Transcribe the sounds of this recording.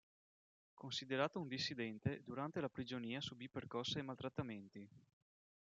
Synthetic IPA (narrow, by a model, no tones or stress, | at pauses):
konsid̪eɾaːt̪ound̪isːid̪ɛnt̪ed̪uɾant̪elapɾid͡ʒoniːasubipːerkɔsːaijmalt̪ɾat̪ːament̪i